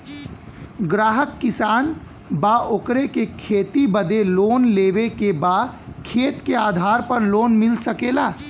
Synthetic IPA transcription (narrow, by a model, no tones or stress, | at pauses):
ɡɾaːɦəkːɪsaːn | baːʔoːkɾekekʰeːt̪ibəd̪eloːnleːʋekebaːd̪kʰeːt̪keaːd̪ʱaːɾpɐɾloːnmɪlsəkeːlaː